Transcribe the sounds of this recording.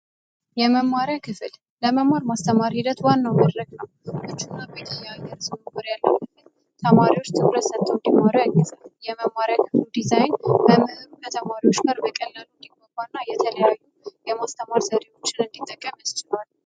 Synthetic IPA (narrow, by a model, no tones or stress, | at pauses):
jɛməmːaɾjakʰɨfɨl | ləməmːaɾmast̪ʰəmaɾhid̪ət̪wanːawmad̪ɾəɡnəwʔɨt͡ʃːunːabət̪ʼijajəɾzuməɡəɾjalːəwkɨfɨl | t̪ʰəmaɾiwo̞t͡ʃːt̪ʰʼɨβɾəsət̪ʼːund̪imːaɾujaɡɨzaljɛməmːaɾjakʰɨflud̪izajnbəmɨhɨɾukʰət̪ʰəmaɾiwot͡ʃːɡaɾbəkʼəlːalɨnd̪iɡobanːajɛt̪ʰələjajːujɛmast̪ʰəmaɾzəɾewo̞t͡ʃːɪnɨnd̪it̪ʼːəkʼːəməst͡ʃɪlal